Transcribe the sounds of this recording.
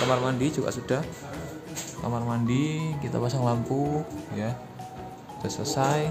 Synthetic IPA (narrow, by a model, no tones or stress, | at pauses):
kamarmandi̥d͡ʒuka̰ʔsud̥ah | kamarmandikit̪a̰pasaŋlampuja | d̥asəsaj